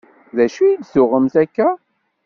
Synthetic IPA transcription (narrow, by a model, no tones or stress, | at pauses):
ðæʃujid̪sʊʁəmθækːæ